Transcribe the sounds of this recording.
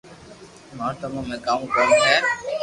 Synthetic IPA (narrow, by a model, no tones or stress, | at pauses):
mãːt̪əmãːmẽːkaːmũkəɾ̃ːsʰɛː